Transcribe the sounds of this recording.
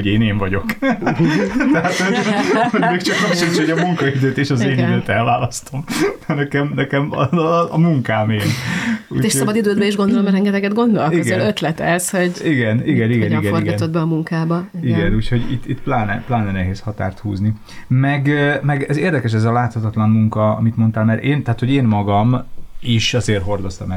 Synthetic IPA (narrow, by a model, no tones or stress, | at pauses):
oɟeːneːɱvɒɟo̞k | t̪ɛɦaːt̪høoɟmeːkt͡ʃɒkɾokʃint͡ʃ̪oɟɒmuŋkɒid̪øːt̪eːʃɒzeːniøːt̪ɛlvaːlɒst̪o̞mnɛkɛmnɛkɛmɒɒmuŋkaːmeːlṵeːʃsoɒbɒd̪id̪øːd̪bɛiʒɡo̞nd̪olomɛɾɛŋɡɛt̪ɛɡɛd̪ɡo̞nd̪olioɡɛɛnøt̪lɛt̪ɛshoɟiɡɛniɡɛniɡɛnɡnoriɡɛnt̪od̪bɛɒmuŋkaːbɒiɡɛnuːcho̞ɟḭt̪ːit̪plaːnɛplaːnɛnɛɦeːshɒt̪a̰ːrt̪hṵːzni | mɛɡmɛɡɛzeːrd̪ɛkɛʃ̬ɛzɒlaːt̪hɒt̪ɒt̪lɒnmuŋkɒɒ̰mit̪mo̞nt̪aːlmɛɾeːnt̪ɛɦːt̪ho̞ɟeːnmɒɡɒmiʃɒzeːrɦo̞rd̪o̞st̪ɒmɛ